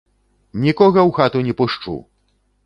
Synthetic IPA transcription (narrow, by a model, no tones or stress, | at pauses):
nʲikɔɣɐwxat̪unʲɛpuʂt͡ʂṵ